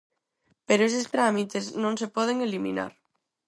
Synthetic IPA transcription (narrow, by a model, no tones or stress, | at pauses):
peɾoes̬estɾamit̪eznõŋsepɔð̞eŋelimḭna̰ɾ